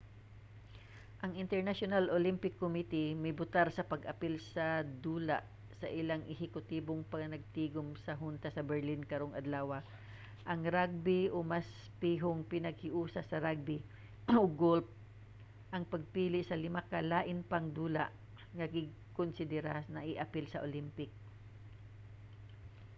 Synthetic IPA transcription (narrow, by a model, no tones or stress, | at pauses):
ʔɐŋɪnt̪ɛɹnaʃonalʔolɪmpɪkːomit̪ɪmɐjbʊt̪aɾsɐpɐɡʔɐpɪlsɐd̪uːla̰ʔ | sɐʔɪlaŋʔɪhɪkʊt̪iːboŋpɐnɐɡ̚t̪iːɡʊmsɐɦʊnt̪ɐsɐbɛɹlɪnkɐɾoŋʔɐ̰d̪laːwɐ | ʔɐŋɾaɡ̚bɪʔomas | piːɦoŋpɪnɐɡ̚hɪʔuːsɐsɐɾaɡ̚bɪ | oɡolp̚ | ʔɐŋpɐɡ̚piːlɪsɐlɪmakɐlaːʔɪnpɐŋd̪uːla̰ʔ | ŋɐɡɪɡ̚ | konsɪd̪ɛɾanɐʔɪʔɐpɪlsɐʔolimpɪk̚